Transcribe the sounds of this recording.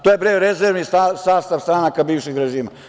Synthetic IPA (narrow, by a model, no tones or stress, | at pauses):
t̪oːjebɾejɾezeɾʋnisasaːst̪aʋst̪ɾanakabiːʋʃiɡɾeʒiːma̰